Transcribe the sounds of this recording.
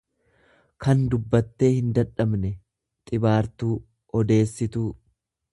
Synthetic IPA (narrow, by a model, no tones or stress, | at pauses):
kɐnd̪ʊbːɐt̪ːe̞ːhɪnd̪ɐᶑɐbnɛ | t̪ʼɪbaːɾt̪uː | ɔd̪e̞ːsːɪt̪uː